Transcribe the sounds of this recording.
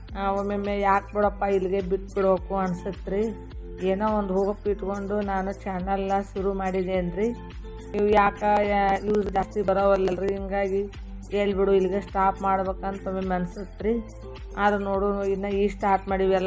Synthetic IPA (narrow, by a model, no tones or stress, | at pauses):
aʋomemejaːk̚biɽɐpːailːiɡe̞biʈːbiɽboːkuɐnsut̪ːɾi | eːnoːond̪ɦuːɡɐpːiʈkoɳɖunaːnut͡ʃɛnɐlɐʃuɾumaːɽid̪eɐnd̪ɾi | niːʋujaːkɐjuːsd͡ʒaːst̪ibɐɾoːʋɐlːɐlɾiɦiŋɡaːɡi | eːɭbiɽuilːiɡe̞sʈaːpmaːɽbeːkɐnt̪omemeɐnsut̪ɾi | aːd̪unoːɽuinːɐiːsʈaːɾʈmaːɽiʋɛlː